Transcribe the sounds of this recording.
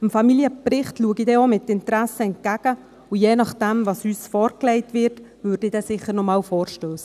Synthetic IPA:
əmfɑmiljəprɪχtluəɡidɛomɪtɪntɾæsəɛnt̚ɡ̥æɡ̥ə | ujeːnɑχd̥ɛmvɑsyːsfɔːɾklɛɪtʋɪrtvʏɾd̥ɪd̥ɛsɪχəɾnɔmɑːlfɔːɾʃtøːs

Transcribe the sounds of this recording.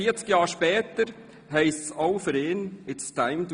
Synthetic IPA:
iːt͡skjɑːɾʃpɛːtəɾ | ɦɛɪstsoʊfʏɾɪːnɪtstʰaɪmt

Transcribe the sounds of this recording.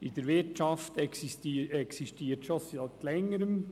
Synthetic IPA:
ɪd̥̪əɾʋɪɾtt͡ʃɑft̪ɛksistiɛksiʃtiːɾtʃosɑt̪lɛŋːəɾəm

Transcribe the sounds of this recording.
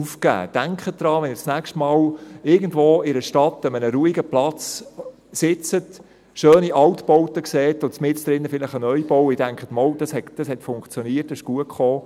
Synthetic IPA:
ufkæ̰ːd̥æŋkχəd̥ɾɑːʋɛnɪsnækʃtmɑːlɪɡən̩dʋoːɪɾəʃtɑtːəmənəɾuːiɡəplɑt͡s | sɪt͡sət | ʃøːniʔɑwtbɔwtəkseːtʊt͡smɪstd̥ɾɪnːəfɪlɪχənœʏjb̥ɔwɪd̥æŋkχətmɔld̥ɑshɛtd̥ɑshɛtfʊŋkt͡sjɔniətːɛɪʃɡ̥uəkχoː

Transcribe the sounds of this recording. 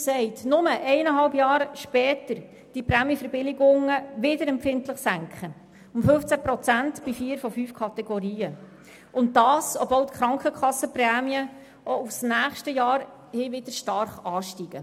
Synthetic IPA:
sɛɪtnʊməʔɛɪnəɦɑlbjɑːɾʃpɛːtəɾ | d̥ipɾæːmjəfəɾbɪlɪɡʊŋəʋɪdəɾɛmpfɪntləχsæŋkχə | ʊmfɵft͡sæpɾɔt͡sæntb̥ifiːəɾfɔfyːfkʰɑt̪ɛɡɔɾiːə | ʊnt̚dɑːsɔbvɔlt̪kɾɑŋkχəkχɑsːəprɛːmiə | ʔoufsnæːχʃtəjɑːɾ | hɪːʋɪd̥̪əɾʃtɑɾχɑːʃtiɡ̥ə

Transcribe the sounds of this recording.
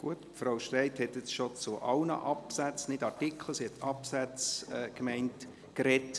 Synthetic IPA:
ɡ̥uətfɾaʊʃtɾaɪthɛtjɛt͡sʃot͡sʊʔɑlnə̰ʔɑpsæt͡snɪdɑɾtikʰl̩əsihɛtɑpsæt͡sɛkmɛɪnt | kɾɛt

